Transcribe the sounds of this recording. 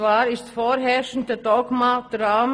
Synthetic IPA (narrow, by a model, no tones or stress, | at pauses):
ʋɑːɾɪstfɔːɾɦɛʃn̩d̪əd̪ɔɡmad̪̥ɾaːm